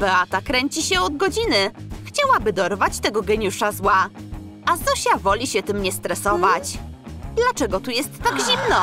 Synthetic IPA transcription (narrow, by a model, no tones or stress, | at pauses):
vɛat̪akɾɛɲt͡ɕiɕɛɔd̪̚ɡɔd͡ʑinɘxt͡ɕawabɘd̪ɔɾvat͡ɕt̪ɛɡɔɡɛɲuʂazwa | azd̪ɔɕavɔlʲiɕɛt̪ɘmɲɛst̪ɾɛsɔvat͡ɕd̪lat͡ʂɛɡɔt̪ujɛst̪ːaɡʑimnɔ